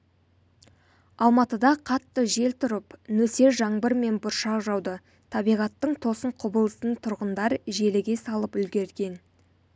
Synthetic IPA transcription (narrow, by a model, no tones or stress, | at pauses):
ɑlˠmɑt̪əd̪ɑqʰɑt̪ːəʒe̞lt̪ʰʊɾəpnɵse̞ɾʒɑɴbəɾme̞nbʊɾʃɑqʒɑwd̪ə | t̪ʰɑbijʁɑt̪ːəɴt̪ʰo̞səɴqʰʊbəlˠəsənt̪ʰʊɾʁənd̪ɑɾʒe̞lɪɡʲe̞sɑlˠəpʏlɡʲe̞ɾɡʲe̞n